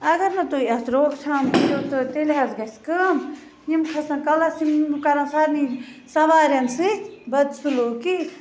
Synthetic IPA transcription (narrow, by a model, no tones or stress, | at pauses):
ɐɡɐɾnɐt̪uiɐsɾoːkt͡ʃʰaːmjot̪ɨt̪eleɦɐzɡɐskɨm | jimkʰɐsɐ̃kɐlɐsimkɐɾãsaɾni | sɐʋaːɾjɐnsɨbɐd̪sʰuloːki